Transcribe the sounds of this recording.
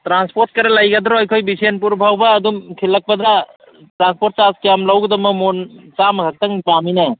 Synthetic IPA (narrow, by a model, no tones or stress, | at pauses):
tɾanspoɾt̚kɐɾɐlɐjɡɐd̪ɾoɐjkʰojbisenpuɾbʱawbɐːdumkʰilːɐk̚pɐd̪ɾa | tɾanspoɾt̚t͡ʃaskejamlawɡɯdɐmɐmont͡ʃamɐkʰɐk̚t̪ɐŋpaminɐ